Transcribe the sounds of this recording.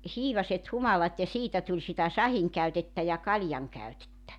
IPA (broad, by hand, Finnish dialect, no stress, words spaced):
hiːʋɑset humɑlɑt jɑ siːtæ tulʲ sitæ sɑhiŋkæytetːæ jɑ kɑljɑŋkæytetːæ